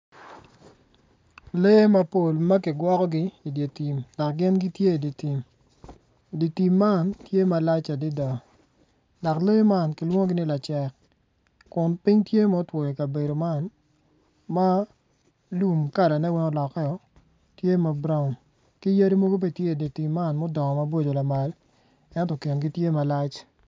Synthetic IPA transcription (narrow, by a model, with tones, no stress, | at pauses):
le˦ma˨po˨lma˦kɪ˨ɡwɔ˦kɔ˦ɡɪ˦i˨dje˨ti˨mdɔ˨kɡɪ˦nɡi˦tje˦˨di˨ti˨m | di˨ti˨mːa˦˨ntje˦ma˨la˦t͡ʃa˨dɪ˦dɔ˨ | dɔ˨kle˦ma˦˨nkɪ˨lwo˦ŋo˦ɡɪ˦nɪ˦la˨t͡ʃɛ˨k | kʊ˨npɪ˦ŋtje˦mɔ˦two˨je˨ka˨be˨do˨ma˦˨n | ma˦ | lu˦˨mka˦˨da˨nɛ˦wɪ˦ŋɔ˦lɔ˨kɛ˦ɔ˨ | tje˦ma˨bɾa˦ʊ˨n | kɪ˦ja˦ɾi˦mo˦ɡo˦be˦tje˦˨di˨ti˨mːa˦˨nmɔ˦dɔ˨ŋɔ˨ma˦bo˦d͡ʒo˨la˨ma˨l | ɛ˦ntɔ˨kɪ˨nɡi˦tje˦ma˨la˦t͡ʃ